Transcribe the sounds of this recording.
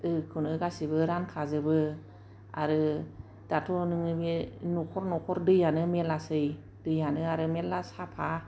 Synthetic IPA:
ɯkʰunɯɡasibɯɾankʰazɯbɯ | aɾɯ | d̥atʰɔnɯŋɯmenukʰɔɾnɔkʰɔɾdɯjanɯmelasɯj | d̥ɯjanɯaɾɯmelasapʰa

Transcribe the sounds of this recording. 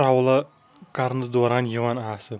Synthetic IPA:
ɾawlˠa | kaɾnɨd̪oɾanjɪwanaːsɪ

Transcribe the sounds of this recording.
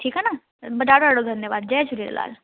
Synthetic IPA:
ʈʰiːkɦɛna | bɐd̪aːɽoaːɽod̪ʱɐnjəʋaːd̪̚d͡ʒɐet͡ʃʰuɾiɾ̰la̰ːl

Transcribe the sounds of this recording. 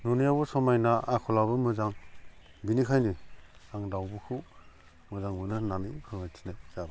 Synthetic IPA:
nunijabɔsɔmajnaakʰɔlabɯmɯzaŋ | binikʰajniaŋdawbɯkʰɯw | mɯzaŋmɯnɯnanikʰɯŋatʰi̥najzaba

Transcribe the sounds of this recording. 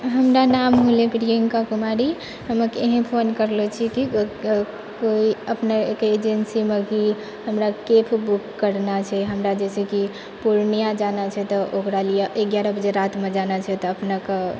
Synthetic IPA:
ɦəmɾanamɦolekɾijəŋkakumaɾi | ɦəməkeɦẽpʰonkəɾlet͡ʃʰiki | koiəpnakeed͡ʒensimeki | ɦəmɾakepʰbukːəɾnat͡ʃʰɛɦəmɾad͡ʒɛsɛki | puɾnijad͡ʒanat͡ʃʰɛt̪ɔʔokɾalijeʔeɡjaɾabəd͡ʒeɾat̪med͡ʒanat͡ʃʰɛt̪ɔːpnake

